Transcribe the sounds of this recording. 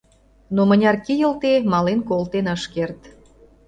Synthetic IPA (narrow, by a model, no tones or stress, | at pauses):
nomənʲɑrkijə̆lt̪emɑlenkolt̪enəʃkert̪